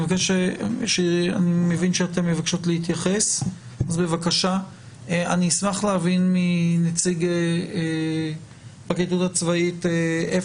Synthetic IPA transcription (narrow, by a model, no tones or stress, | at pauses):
vakeʃeʃea̰nimevinʃeate̞mːevakʃo̞t̪leit̪jaχe̞s | azbe̞vakaʃa | anismaχlehavinminet͡siɡee | baketutat͡svaitee